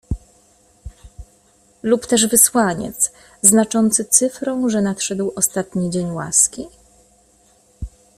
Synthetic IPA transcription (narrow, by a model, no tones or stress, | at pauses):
lupt̪ɛʐvɘswaɲɛ̰t̪s | znat͡ʂɔnt̪sɘt̪sɘfɾɔ̃w̃ʐɛnat̪ʂɛd̪wɔst̪at̪ɲid͡ʑeɲwa̰skʲi